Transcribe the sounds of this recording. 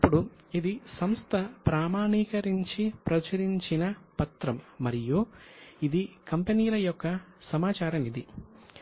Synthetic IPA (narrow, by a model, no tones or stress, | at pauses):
ɐpːuɽuid̪isɐmst̪ʰɐpɾaːmaːɳikɐɾiɲt͡ʃipɾɐt͡ʃɐɾiɲt͡ʃinɐpɐt̪ɾɐmːɐɾijuid̪ikɐmpeniːjlɐjɔkːɐsɐmaːt͡ʃaːɾɐmid̪i